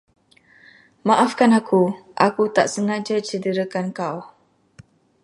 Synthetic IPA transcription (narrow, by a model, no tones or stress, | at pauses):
maʔafkanakʰuʔakut̪aʔsəŋãd͡ʒat͡ʃədəɾəkankaw